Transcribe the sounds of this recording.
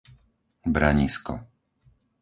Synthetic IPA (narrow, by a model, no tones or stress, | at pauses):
bɾaɲiskɔ̰